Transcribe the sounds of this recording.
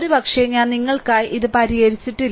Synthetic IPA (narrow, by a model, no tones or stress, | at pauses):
ɾubɐkʂeɲaːnniŋːɐɭkaːjiðɨpɐɾijɐɾit͡ɕːiʈːilː